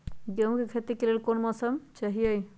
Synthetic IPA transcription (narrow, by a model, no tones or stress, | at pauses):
ɡeɦũkekʰet̪ikelelkonmɔsəmt͡ʃɐɦijəj